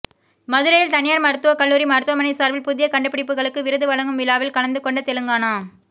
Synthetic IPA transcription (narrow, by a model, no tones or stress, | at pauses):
mɐðɯɾɐjɪlt̪ɐnɪjaːɾmɐɾɯt̪ːɯʋɐkɐɭːuːɾimɐɾɯt̪ːɯʋɐmɐnɐɪsaːɾʋɪlpʊðɪjɐkɐɳɖɯpːɪɽɪpːɯɣɐɭɯkːɯʋɪɾɯðɯʋɐɭɐŋɡɯmʋɪlːaːʋɪlkɐɭɐnd̪ɯkːɔɳɖɐt̪ɛlɯŋɡaːnaː